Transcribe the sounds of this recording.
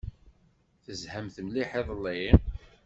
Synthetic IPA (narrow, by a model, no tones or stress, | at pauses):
θəzhəmθəmliħeðˤlːi